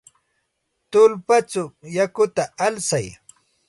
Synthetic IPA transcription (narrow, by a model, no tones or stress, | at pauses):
t̪ʊlpat͡sʊjakʊt̪aalsaj